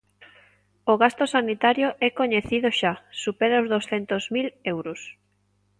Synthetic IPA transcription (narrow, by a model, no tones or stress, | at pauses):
oɣast̪osanit̪aɾjoʔɛkoɲeθiðʊʃasupeɾaozðowsθɛnt̪ozmilewɾʊs